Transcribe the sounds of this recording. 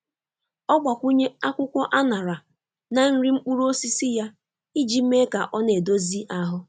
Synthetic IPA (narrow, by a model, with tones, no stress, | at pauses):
ɔ˦ɡ͡ba˨kʷu˦ɲe˦a˦kʷʊ˦kʷɔ˦ʔa˦na˨ɾa˨ | na˨n̩˦ɾi˦m̩˦k͡pu˦ɾo˦si˦si˦ja˦ | i˦d͡ʒi˨me˦ka̰˨ʔɔ˦ne˨do˦zi˦ʔa˦ɦʊ˦